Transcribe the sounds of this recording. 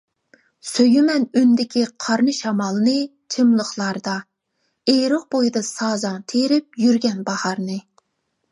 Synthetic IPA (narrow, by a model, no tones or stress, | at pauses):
søjymɛnynd̪ɪkʲʰiqʰɑɾnɨʃɑmɑlˠnɨ | t͡ʃʰimlˠəχlˠɑɾd̪ɑ | eɾəq̚bojd̪ɑsɑːzɑŋt̪ʰeɾɪp̚jyɾɡʲɛnbɑhɑɾnɨ